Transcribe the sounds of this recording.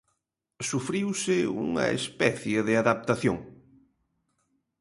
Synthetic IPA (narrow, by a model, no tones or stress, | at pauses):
sufɾiwsɪṵŋɐ̰ḛspɛθjeðɪaðap̚t̪aθjo̰ŋ